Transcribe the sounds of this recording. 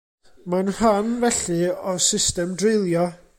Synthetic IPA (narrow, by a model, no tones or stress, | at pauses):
manhanvɛɬɨɔsɪstɛmdrɪlˠjɔ